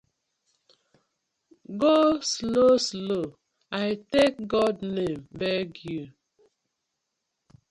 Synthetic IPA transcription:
ɡosloslo | aɪtek̚ɡɔdnẽmbɛɡju

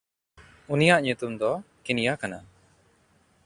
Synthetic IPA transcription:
unijaʔɲut̪umd̪ɔkinijakana

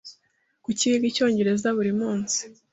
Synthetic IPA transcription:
kuciβiɡico̞ːɲɟe̞ɾe̞zaβuɾimuːnsi̥

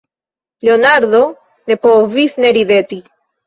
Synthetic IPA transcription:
leonaɾðo | ne̞povisneɾiðet̪i

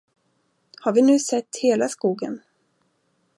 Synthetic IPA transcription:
haɾvɪnʉ̟ːsɛt̪ːheːlaskuːɡə̰n

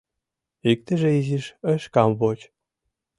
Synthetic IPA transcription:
ik̚t̪ə̆ʒĕiziʃəʃkɑmβot͡ɕ

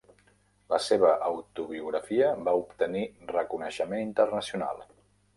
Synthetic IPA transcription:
ləseβ̞əʔəwt̪uβ̞iuɣɾəfiəbaupt̪ənirəkunəʃəmenint̪ərnəsiuna̰lˠ

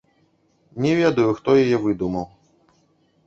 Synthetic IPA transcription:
nʲɛvʲed̪ujuxt̪ɔjajɛvɨd̪umɐw

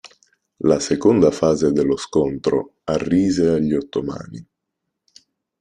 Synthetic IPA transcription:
lasekond̪afaːzed̪elːoskont̪ɾo̰arːiːzeaʎːiot̪ːoma̰ːnḭ

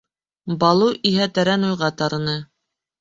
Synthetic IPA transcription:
bɑlˠuʔiɦæt̪æɾænujʁɑt̪ɑɾɤ̆nɤ

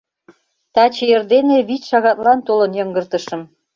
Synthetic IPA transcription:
t̪ɑt͡ɕejerd̪eneβit͡ɕʃɑɣɑt̪lɑnt̪olɤnjɤŋɡərt̪ə̆ʃə̆m

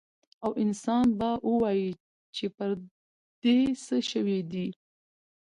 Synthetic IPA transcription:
awɪnsɑnbaʔəwɑji | t͡ʃepəɾ | d̪̥esəʃəwed̪i

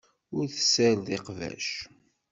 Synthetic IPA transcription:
ʊɾθə̥sæɾðeqvæ̰ʃ

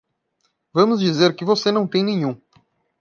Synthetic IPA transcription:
vɐ̃mʊzd͡ʒizeɾkɪvosenɐ̃w̃t̪ẽj̃nẽɲ̃ũ

